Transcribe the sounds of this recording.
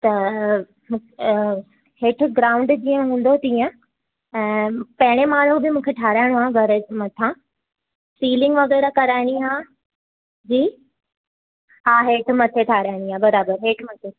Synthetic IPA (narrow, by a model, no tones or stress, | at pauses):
t̪ɐ | mũːk | heːʈʰʊ̆ɡɾaːʊ̃ɳɖd͡ʑiːə̃ɦũːn̆d̪ot̪ijə̃ | ɛ̃ːpɐɦɪɽ̃emaːɽ̤ubɪmũːkʰeʈʰaːɾaːɪɽ̃oaːɡʱɐɾəd͡ʑmɐt̪ʰã | siːlɪ̃ŋɡʋɐɣɛːɾakɐɾaːɪɽiɦaː | d͡ʑiː | ɦaːɦeːʈʰmɐt̪ʰeʈʰaːɾaːɪɽ̃iãːbɐɾaːbəɾɦeːʈʰmɐt̪ʰe